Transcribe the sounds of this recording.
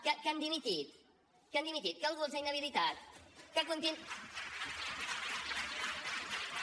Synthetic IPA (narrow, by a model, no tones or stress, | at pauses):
kakand̪imit̪it̪̚ | kand̪imit̪it̪̚kalɣuɾsajnaβilit̪at̪̚kak̬unt̪in